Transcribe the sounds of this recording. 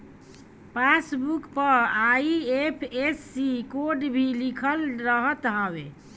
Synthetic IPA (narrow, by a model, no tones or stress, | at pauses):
pasbukpəɾaiepʰesːikoɖbʱilikʰəlɾəɦət̪ɦəbe